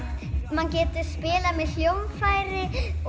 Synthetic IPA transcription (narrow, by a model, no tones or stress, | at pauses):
mancɛːt̪ʏ̥spɪːlamɛðljowmfaːjɾɪ